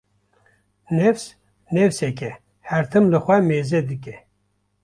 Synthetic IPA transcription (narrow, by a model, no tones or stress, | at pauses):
nɛfs | nɛfsɛkɛ | hɛɾt̪ʰɨmlɨxʷɛmeːzɛd̪ɨkɛ